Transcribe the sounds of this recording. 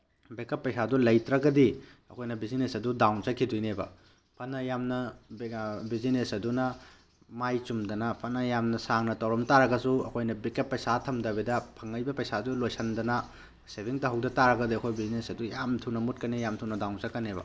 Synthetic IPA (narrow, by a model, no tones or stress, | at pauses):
bekɐpːɐjsadulɐjtɾɐɡɐdi | ɐkʰojnɐbizinesɐdudawnt͡ʃɐkʰidujnebɐ̰ | pʰɐnɐjamnɐ | bizinesɐdunɐ | majt͡ʃumdɐnɐpʰɐnɐjamnɐsaŋnɐtɐwɾɐmtaɾɐɡɐsuɐ̰kʰojnɐbikɐpːɐjsatʰɐmdɐbedɐpʰɐŋːɐjbɐpɐjsadulojsɐndɐnɐ | sebʱiŋtɐɦɐwdɐtaɾɐɡɐdiɐkʰojbizinesɐdujamtʰuwnɐmut̚kɐnijamtʰuwnɐdawnt͡ʃɐkːɐnebɐ̰